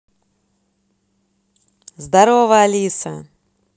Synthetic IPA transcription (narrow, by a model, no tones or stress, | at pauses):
zd̪aɾovɐalʲisɐ̰